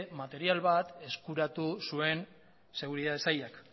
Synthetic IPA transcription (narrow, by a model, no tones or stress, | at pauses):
mat̪e̞ɾialβat̪e̞skuɾat̪usue̞n | se̞ɣ̞uɾiðaðe̞sajak